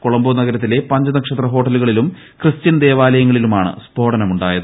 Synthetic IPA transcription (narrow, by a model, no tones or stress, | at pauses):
koɭɐmboːnɐɣɐɾɐt̪̬ːile̞pɐɲd͡ʑɐnɐkʂɐt̪rɐɦo̞ːʈːɐluɣɐɭilum | krɨst͡ɕɐnd̪e̞ːʋaːlɐjɐŋːɐɭilumaːɳɨ̰spo̞ːɽɐnɐmuɳɖaːjɐðɨ